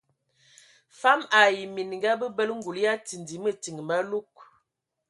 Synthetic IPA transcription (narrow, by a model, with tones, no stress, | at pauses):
fa˦ma˨ji˨mi˨n˨ŋ˨ɡa˦bə˦bə˦lŋ̩˦ɡu˨lja˦ti˨ndi˨˦mə˦˨ti˨ŋ˨ma˦lu˦k̚